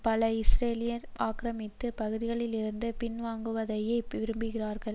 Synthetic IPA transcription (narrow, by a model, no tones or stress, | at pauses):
pɐlɐɪsɾeːlɪjɐɾaːkɾɐmɪt̪ːɯpɐɣɯðɪɣɐɭɪlɪɾɯnd̪ɯpɪnʋaːŋɡɯʋɐðɐjɐɪʋɪɾɯmbɯɣɪraːɾɣɐɭ